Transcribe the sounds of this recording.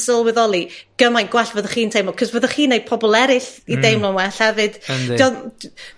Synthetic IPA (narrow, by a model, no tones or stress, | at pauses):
səlˠwɛðɔlˠiɡ̥əmajnɡ̥wɛɬvəðəχiːntʰejmɔkʰɔzvəðəχiːnejd̚pʰɔbɔlˠɛɾɪɬidejmlɔnwɛɬɛvɨd̥iɔ